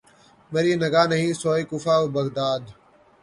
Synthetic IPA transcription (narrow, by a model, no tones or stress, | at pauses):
məɾiːnəɡaːnəɦĩːsoːiːkuːfaːoːbəɡd̪aːd̪